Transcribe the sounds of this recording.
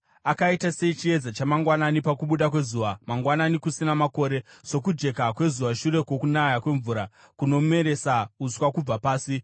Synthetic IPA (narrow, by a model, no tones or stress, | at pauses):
akaitase̞it͡ʃie̞d͡zat͡ʃamaŋɡwananipakuɓuɗakwe̞zuːʋamaŋɡwananikusinamako̞ːɾe̞so̞kud͡ʒe̞kakwe̞zuʋaʃuɾe̞kwo̞kunajakwe̞ɱvuɾa | kuno̞me̞ɾe̞sauswakub͡vapaːsi